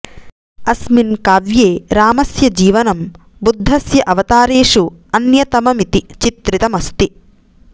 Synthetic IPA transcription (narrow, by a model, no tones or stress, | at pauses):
ɐsminkaːʋjeːɾaːmɐsjɐd͡ʒiːʋɐnɐm | bud̪ʱːɐsjɐʔɐʋɐt̪aːɾeːʂuɐnjɐt̪ɐmɐmit̪it͡ʃit̪ɾit̪ɐmɐst̪i